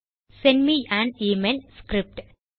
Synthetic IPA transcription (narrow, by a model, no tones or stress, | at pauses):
senmiæ̃ːɳɖiːmeːlskɾip̚ʈ